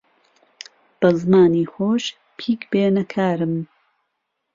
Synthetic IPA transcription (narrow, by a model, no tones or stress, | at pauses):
b̥ɐzmaːniːxoːʃ | pʰiːkbeːnɐkʰaːɾɨm